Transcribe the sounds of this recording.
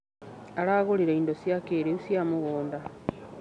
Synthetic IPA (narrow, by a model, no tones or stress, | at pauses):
aɾaːɣoliɾeindosjakeːɾeusjamuɣoːnda